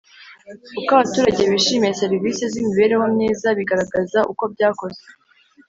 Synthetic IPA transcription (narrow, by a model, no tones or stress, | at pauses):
ukaβatuːɾaɟe̞βiʃiːmejese̞ɾiviːsezimiβe̞ɾe̞wamniːzaβiɡaɾaɡazaʔuko̞b̚ɟaːko̞ze